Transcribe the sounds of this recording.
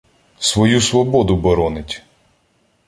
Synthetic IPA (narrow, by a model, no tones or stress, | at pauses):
sʋɔjusʋɔbɔd̪ʊbɔɾɔnɪtʲ